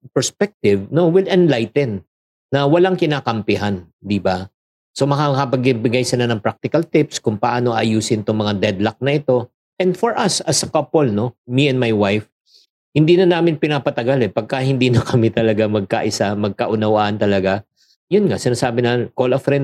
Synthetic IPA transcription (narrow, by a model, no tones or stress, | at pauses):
pɛɹspɛk̚t̪ɪvno̞wɪlɛnlajt̪ɛnː | ɐwɐlaŋkɪnaːkɐmpɪɦan | d̪iba | so̞mɐkakɐpɐɡ̚ɪbɪɡajsɐlanɐŋpɾak̚t̪ɪkɐlt̪ɪpskʊŋpɐʔaːno̞ʔɐjuːsɪnt̪ʊŋmɐŋad̪ɛd̪lɐk̚nɐʔɪt̪o̞ | ʔɛ̃nd̪foɹʔɐsɐsɐkɐpolno̞miɛnmajwajf | hɪnd̪iːnɐnaːmɪnpɪnaːpɐt̪ɐɡalɛpɐɡ̚kahɪnd̪iːnɐkɐmɪt̪ɐlɐɡamɐɡ̚ka̰ʔɪsamɐɡ̚kɐʔʊnɐwaʔɐnt̪ɐlɐɡa | jʊnŋasɪnaːsaːbɪnɐkolɐfɾɛn